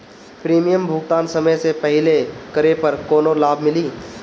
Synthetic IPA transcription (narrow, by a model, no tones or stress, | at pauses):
pɾiːmijəmbʱʊɡt̪aːnsɐməjsepɛɦɪlekɐɾepɐɾkoːnolaːbʱmɪliː